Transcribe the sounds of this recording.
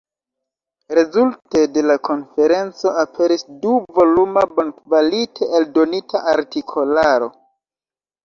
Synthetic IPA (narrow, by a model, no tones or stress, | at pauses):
ɾe̞zulte̞de̞lakʰo̞nfe̞ɾe̞nt͡so̞apʰe̞ɾisduvo̞lumabonkvalitʰe̞ʔeldo̞nitʰaʔaɾtikʰo̞laɾo̞